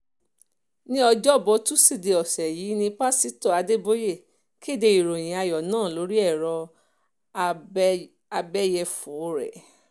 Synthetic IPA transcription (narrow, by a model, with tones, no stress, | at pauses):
nĩ˦ɔ˧d͡ʒɔ˦˨bɔ˧tu˦si˦˨de˨ɔ˨sɛ˨ji˨˦nĩ˧pa˦si˦to˦˨a˨˧de˦bo˦je˦˨ | ki˦e˦˨de˧i˨ɾo˨j̃ĩ˨a˧jɔ˨nãː˦˨lo˨˦ɾi˦ɛ˦˨ɾɔ˧ | a˧bɛ˦jɛ˧fu˨˦ɾɛ̰˨